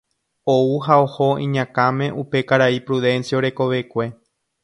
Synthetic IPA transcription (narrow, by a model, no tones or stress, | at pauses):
ouɦao̞hoḭ̃ɲãkãmẽ̞ʔupe̞kaɾaipɾuðẽ̞nsjaoɾe̞ko̞ʋe̞kʷe̞